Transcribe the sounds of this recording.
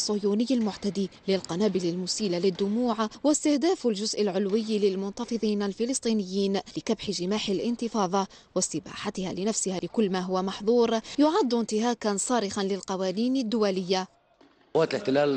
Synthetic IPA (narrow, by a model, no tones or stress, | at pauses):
sˤːʊjuːnɪjːalmʊʕt̪ad̪ilɪlqɑnaːbɪlalmʊsiːlalɪd̪ːʊmuːʕawɪst̪ɪhd̪aːfalʒʊzʔɪlʕʊlwɪjːlɪlmʊnt̪ɑfɨðˤiːnalfɪlɨsˤt̪ˤiːnɪjːiːnlɪkabħɪʒɪmaːħɪlʔɪnt̪ɨfɑːðˤɑ | wɪst̪ɪba̰ːħat̪ɪha̰lɪnafsɪhalɪkʊlːmaːɦʊwamɑħðˤuːɾˤjʊʕad̪ːɪnt̪ɪɦaːkansˤɑːɾɪxanlɪlqɑwaːniːnad̪ːʊwalɪjːa | waːt̪lɪħt̪ɪlaːl